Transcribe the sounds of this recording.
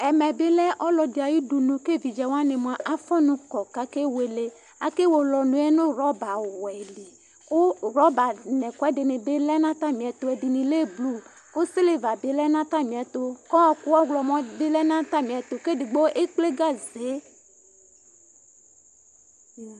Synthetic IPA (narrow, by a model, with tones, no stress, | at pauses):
ɛ˨mɛ˨be˦lɛ˦ʔɔ˦lɔ˨de˨a˨ji˦du˨nũ˨ke˦vi˨d͡ʒa˨wa˦ne˨mõ˨a˨ʔa˦fɔ̃˦nũ˨kɔ˨ka˦ke˦we˨le˦ | a˨˦ke˦wo˨lɔ˨nũ˨˦e˦nũ˦ɾɔ˦ba˨wɛ˨li˨ | o˦ɾɔ˦ba˨nɛ̃˨kɔ˨˦ɛ˦de˨nẽ˨be˦lɛ˦nã˦t̪a˦mĩ˨ɛ˨t̪o˦e˨di˨nĩ˨le˦blu˦ | o˦se˦le˦va˨be˨˦lɛ˦nã˦t̪a˦mĩ˨ɛ˨t̪o˦kɔ˦ɔ˦ku˦wɔ˦ɡlɔ˨mɔ̃˦be˦lɛ˦nã˦t̪a˦mĩ˨ɛ˨t̪o˨ke˦di˨ɡ͡bo˦ʔe˦k͡ple˦ɡa˦ze˨˦